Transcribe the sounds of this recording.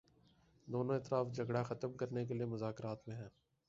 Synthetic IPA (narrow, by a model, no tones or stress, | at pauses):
d̪oːnõɪːt̪ɪɾaːfd͡ʒʱɐɡɽaxɐt̪əmkɐɾnekeliemʊzaːkɾaːt̪mẽɦɛ̃ː